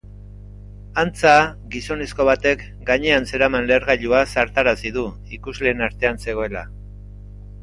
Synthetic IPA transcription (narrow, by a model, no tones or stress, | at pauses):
ant͡saɡiso̞ne̞sko̞βat̪e̞k | ɡaɲe̞anse̞ɾamanleːɾɣaʎuasaɾt̪aɾasiðu | ikuzle̞ːnaɾt̪e̞anse̞ɣ̞o̞e̞la̰